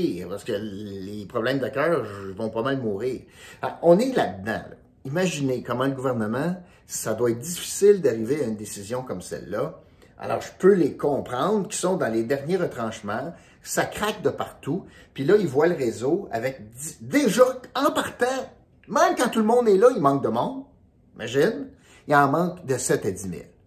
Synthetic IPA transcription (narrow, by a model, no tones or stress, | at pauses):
ipasə̥kəlepʁɔblɛ̃md̪əkʲœːʁvɔ̃pɔmɛ̃mːuːʁiːʁa̰ɔ̃ːnelad̪d̪ã̰l̰ | imaʒinekɔmɑ̃ləɡuvɛʁnəmɑ̃ | sad̪waɛːt̪̚d̪d͡zifi̥sɪld̪aʁiveaynd̪esizjɔ̃kɔmsɛ̰lːʌ | a̰lɔ̰ːʁʒə̥pølekɔ̃pʁɑ̃d̪ʁkʲi̥sɔ̃d̪ɑ̃led̪ɛʁnjeʁət̪ʁɑ̃ːʃmɑ̃ | sakʁak̚d̪əpaʁt̪u | pilʌilvwaləʁezoa̰vɛk̪̚id̪eʒʌɑ̃paʁt̪ã | mɛ̃mkɑ̃t̪ulmɔ̃d̪ɛlʌimɑ̃k̚d̪əmɔ̃d̪ | ʒimaʒɪn | iɑ̃mɑ̃ːkd̪əsɛt̪add͡zimɪ̰l